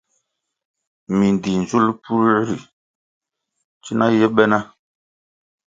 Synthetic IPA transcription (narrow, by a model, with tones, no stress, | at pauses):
mi˨n˨di˨n˨zu˦lpu˦ɾɾi˨ | t͡ʃi˦na˦jɛ˦ɓɛ˦na˦